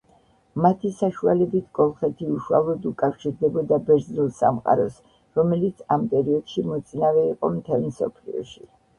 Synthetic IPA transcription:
mat̪ʰisaʃua̰lɛbit̪ʰkʼɔlˠχɛt̪ʰiuʃua̰lˠɔd̪ukʼafʃiɾd̪ɛbɔd̪abɛɾznulˠsa̰mqʼa̰ɾɔs | ɾɔmɛlit̪sʰampʼɛɾiɔd̪̥ʃimɔt̪sʼinavɛiqʼɔmt̪ʰɛlˠmsɔ̰pʰlḭɔ̰ʃi

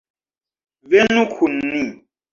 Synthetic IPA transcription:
venũkʰunːi

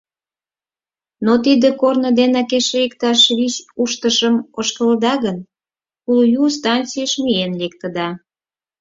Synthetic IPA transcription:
not̪id̪ə̆kornə̆d̪enɑkeʃeikt̪ɑʃβisuʃt̪əʃəmoʃkəld̪ɑɣən | kuljust̪ɑntt͡sijəʃmienlek̚t̪ə̆d̪ɑ

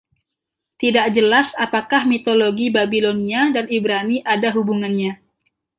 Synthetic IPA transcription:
t̪idaʔd͡ʒəlasapakahmit̪oloɡibabiloniadanibɾaniʔadaɦubuŋanɲa

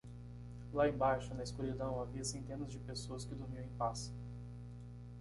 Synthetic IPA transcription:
laẽbaʃʊnɐɪskuɾid̪ɐ̃w̃aviɐsẽnt̪ẽnɐzd͡ʒɪpesoɐskɪd̪ʊɾmiɐ̃ẽpas

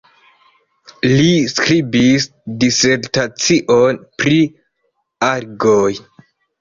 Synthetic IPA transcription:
liskɾibis | diseɾtat͡siʔonpɾi | aɾɡoj

